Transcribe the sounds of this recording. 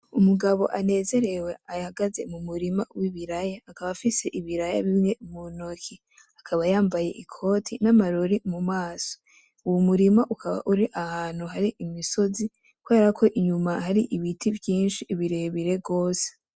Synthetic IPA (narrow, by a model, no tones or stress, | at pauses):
umuɡaβo̞̰ʔane̞ːze̞ɾe̞we̞ahaɡaze̞mumuɾima̰wiβiɾajaːkaβafise̞ʔiβiɾaja̰βimɲe̞munokʰi | akʰaβajaːmbaje̞̰ʔikʰo̞ːtʰinamaɾoɾimumaːso̥ | uwomuɾimaʔukaβa̰ʔuɾiʔahaːn̥huɦaɾiʔimiso̞zi | kuwe̞ːɾakʰo̞ʔiɲumahaɾiʔiβitʰivjiːnʃiːβiɾeβiɾe̞ɡo̞ːse̥